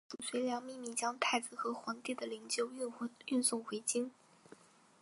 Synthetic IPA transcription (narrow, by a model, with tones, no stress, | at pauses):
u˨˩ɕwe˧˥ɪljɑ˧˥ŋmi˥˧mi˥˩t͡ɕjɑ˥ŋt̪ʰa˥˩ɪd͡zɹ̩˨˩xɤ˧˥xwɑ˧˥ŋt̪i˥˩d̪ə˩li˧˥ŋɕjo˥˧ʊ˥˩y˥˧nsʊ˥˩ŋxwe˧˥ɪt͡ɕi˥n